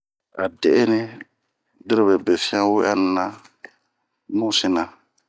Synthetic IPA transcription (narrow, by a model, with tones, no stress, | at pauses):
a̰˨de˨e˦nĩ˦ | di˦ɾe˦be˨be˨fĩ˦ã˦wu˦a̰˦n˨nã˦ | nũ˦si˦nã˨